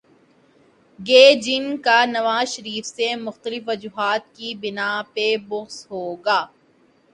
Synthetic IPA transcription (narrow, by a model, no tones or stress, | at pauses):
ɡeːd͡ʒɪnkanɐʋaːzʃɐɾiːfsemʊxt̪əlɪfʋɐd͡ʒuːɦaːt̪̚kibɪnapebʊɣsɦoːɡaː